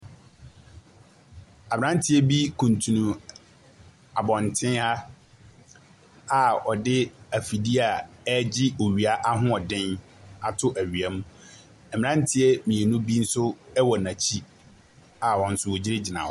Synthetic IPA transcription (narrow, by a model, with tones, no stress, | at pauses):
a˨mɪ˨ã˦n˦tʰɪ˦ɛ˦bi˦kʰũ˨ntʰũ˨nũ˨ | a˨bɔ̃˨ntʰɪ̃˦na˦ | a˨ɔ˨dɪ˦æ˨fi˨di˦a˨ɛ˦d͡ʑɪ˦o˨ɥi˨a˦ʔa˦ɦʊ̃˦ɔ˨dɪ̃˦n | a˨tʰʊ˦ʔæ˨ɥi˨a˨mũ˦ | ɛ˨mɪ̃˨ã˦n˦tʰɪ˦ɛ˦mĩ˨ɛ˨nũ˦bi˦n̩˦sʊ˦ɛ˦wɔ˨nã˨t͡ɕʰi˦ | a˨wɔ̃˨n̩˦sʊ˦wo˨d͡ʑi˦ɾɪ˦d͡ʑɪ˨nã̰˨ɔ˨